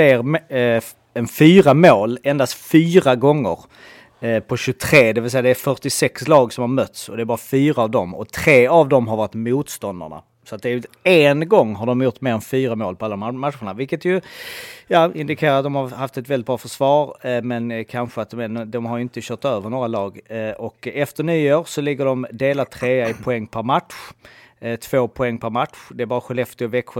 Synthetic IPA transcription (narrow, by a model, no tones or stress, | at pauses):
eːɾm | ɛnfyːɾamoːlɛnd̪ast̪fyːɾaɡɔŋːə̰ɾ | pʰɔɕɵt̪ʰɾeːd̪ɛvɪlsɛɪjːad̪ɛæɾfœʈɪsɛkslɑːɡsɔmhaɾmœt̪sɔ̰d̪ɛæɾbɑːɾafyːɾaːvd̪ɔmɔ̰t̪ʰɾeːavd̪ɔmɦaɾvɑːɾɪt̪muːt̪st̪ɔnd̪a̰ɳa̰ | sɔat̪̚d̪ɛæɾjɵenɡɔŋːɦaɖɔmjʊʈːmeːɾɛnfyːɾamoːlpʰɔalːamat̪ɧəɳavɪlkət̪jɵjɑːɪnd̪ɪkʰeːɾaɾat̪̚d̪ɔmhaɾhaft̪ɛt̪vɛlːɪt̪̚bɾɑːfœʂv̥ɑːɾmɛnkʰanɧəat̪̚d̪ɔmɦaɾjɵɪnt̪əɕœːʈt̪øːvəɳoːɾalɑːɡɔkɛft̪əɳyːoːɾsɔlɪɡːəɖɔmd̪eːlat̪ʰɾeːaɪpʰʊɛŋːpʰæɾmat̪ɧ | t̪ʰvoːpʰʊɛŋːpʰæɾmat̪ɧd̪ɛæɾbɑːɾaɧɛlɛft̪ɪɔvɛkɧə